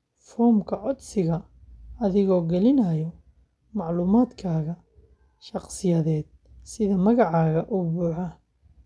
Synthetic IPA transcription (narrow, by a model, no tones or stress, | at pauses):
fɔːmkʰɐʕɔd̪sɪɣɐ | ɐðɪɣɔːɡɛlɪnɐjɔ | mɑʕluːmaːd̪kʰaːɣɐ | ʃɑqsɪjɐðɛːd̪̚ | sɪðɐmɐɣɑʕɑːɣɐʔubuːħɐ